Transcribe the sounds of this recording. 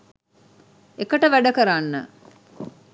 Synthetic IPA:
ekəʈəʋæɖɐkəɾanːə̰

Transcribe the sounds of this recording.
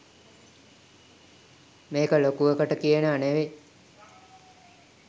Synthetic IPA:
meːkəlokuʋəkəʈəkijənəaneʋe

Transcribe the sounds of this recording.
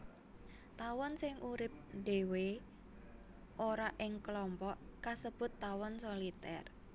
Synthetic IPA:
t̪awɔnsɪŋʔuɾɪp̚ɖ̥e̤we | ʔoɾaʔɪŋklɔmpɔʔkasəb̥ʊ̤t̪ːawɔnsolit̪ɛ̰r

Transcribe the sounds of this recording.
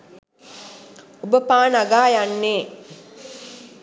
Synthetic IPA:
ubəpaːnaɡaːjanːeː

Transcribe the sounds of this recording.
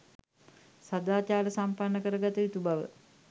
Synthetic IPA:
sad̪aːt͡ʃaːɾəsampanːəkəɾəɡat̪əit̪ubaʋə̰

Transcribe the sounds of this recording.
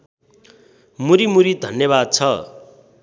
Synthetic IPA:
muɾimuɾid̪ʱʌnjʌβad̪̚t͡sʰʌ

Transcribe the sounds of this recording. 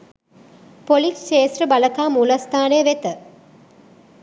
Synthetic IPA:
polisʃeːsrəbaləkaːmuːləst̪aːneəʋet̪ə

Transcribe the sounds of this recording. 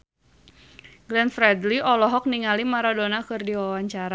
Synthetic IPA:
ɡlɛnfɾɛdliʔɔlɔɦɔk̚niŋalimaɾadonakɨrdiwawaɲt͡ʃaɾa

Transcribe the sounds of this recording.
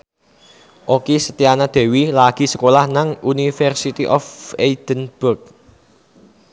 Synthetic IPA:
ʔokesət̪ianad̪̥e̤wilaɡ̥i̤sə̥kolahnaŋunifɛrsit̪iʔɔfeid̪̥ənb̥ʊrk̚

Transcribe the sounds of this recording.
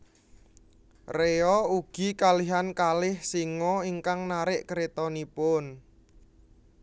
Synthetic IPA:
reɔuɡ̥i̤kaliɦankalɪhsiŋɔiŋkaŋnaɾɪʔkɾet̪ɔnipʊn

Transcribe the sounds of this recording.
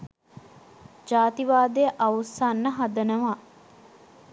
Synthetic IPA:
d͡ʒaːt̪iʋaːd̪ejəʔɐusanːəɦad̪ənəʋaː

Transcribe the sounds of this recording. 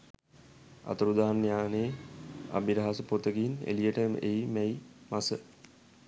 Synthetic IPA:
a̰t̪əɾud̪aːanːjaːneːa̰biɾaɦasəpot̪əɡinḛlijəʈəm̰ʔeimɛimasə

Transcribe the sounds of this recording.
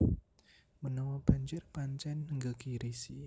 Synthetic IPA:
mənɔwɔb̥aɲd͡ʒɪrpaɲt͡ʃɛnəŋɡəkiɾisi

